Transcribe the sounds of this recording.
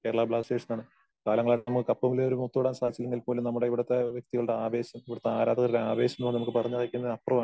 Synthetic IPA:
ke̞ːɽɐɭɐbɭaːsʈe̞ːʂɐnaːɳɨ | kaːlɐŋːɐɭaːɽnɐmukːɨkɐpːɐmileoɾumot̪ːoːɽaːnsaːd̪it͡ɕːilːeŋɡilpo̞ːlumnɐmːuɽeiʋiɽɐt̪ːe̞ʋjek̚t̪iɣɐɭuɽeaːʋe̞ːɕɐmiʋiɽɐt̪ːe̞aːɾaːd̪ɐɣɐɾiɽeaːʋe̞ːɕjɐmnoːɳnɐmukːɨpɐrɐɲːaːɣikʲːunːɐðɐpːrɐʋaːɳɨ

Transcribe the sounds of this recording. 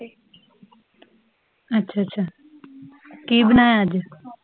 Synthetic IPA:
ɐtːɕʰaːɐtːɕʰaː | kiːbənaːead͡ʒ

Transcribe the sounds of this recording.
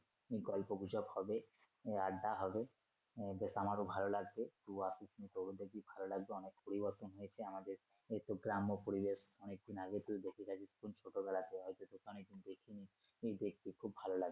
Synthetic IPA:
eɡɔlpoɡud͡ʑɔbhɔbe | aɖaɦɔbe | besamaɾobʱalolaɡ̚bet̪uasisnit̪owɽod̪ek̚d̪ibʱalolaɡ̚beɔnek̚poɾibɔɾt̪onɦojet͡ɕʰeamad̪eɾ | et̪oɡɾamopoɾibesɔnek̚d̪ʱinaɡet̪ʰild̪ekʰikʰad͡ʑʰispunt͡ʃʰoʈobɛlat̪eɔjt̪ot̪okʰaɔnek̚d̪ʱind̪ekʰini | ed̪ek̚t̪ikʰubːʱalolaɡbe

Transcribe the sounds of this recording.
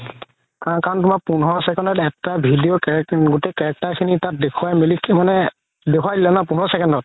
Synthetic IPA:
kakaɹntʊmak̚punɦɔsɛkɔndɔtɛtabʱidijɔkɛɡutekɛɛk̚takʰinitat̚dekʰuwajmilikʰmanɛ | dekʰuwajdilɛnapunɦɔsɛkɔndɔt̚

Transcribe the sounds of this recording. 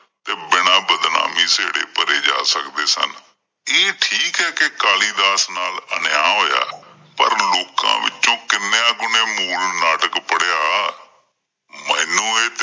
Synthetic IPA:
t̪eːbɪɳ̃ãːbəd̪na̰ːmiːseːɽḛːpəɾeːd͡ʒa̰ːsəkd̪eːsə̰n | eːʈʰiːkɦɛːkekaːliːd̪aːsnaːlənjaːɦoːja̰ː | pə̰ɾloːkã̰ːʋɪ̰t͡ʃːt͡ʃõːkɪnjãːɡʊneːmuːlnaːʈəkpəɽjaː | mɛ̃ːnũːeːt̪

